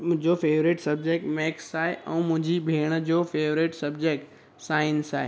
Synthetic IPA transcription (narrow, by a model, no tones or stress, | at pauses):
mʊ̃ɦɪ̃d͡ʑofeːʋɾeʈsɐbd͡ʑek̚ʈmɛːksaːɦeʔɛ̃ːmʊ̃ɦɪ̃ɲd͡ʑibʱeːɽ̃əd͡ʑoːfeːʋɾeːʈsɐbd͡ʑeːk̚ʈ | saːɪnsa̰ːɦe